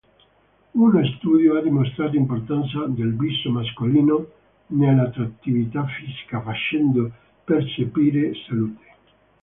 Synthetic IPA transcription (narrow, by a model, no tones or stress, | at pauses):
unost̪uːd̪joad̪imost̪ɾaːt̪oimport̪ant̪sad̪elbisːomaskoliːno | nealat̪ɾat̪ːivit̪afisi̥kafat͡ʃɛnd̪o | pert͡ʃepiːɾesaluːt̪ʰe̥